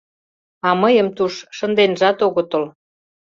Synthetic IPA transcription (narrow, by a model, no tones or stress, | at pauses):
ɑməjəmt̪uʃʃənd̪enʒɑt̪oɣŏt̪ə̆l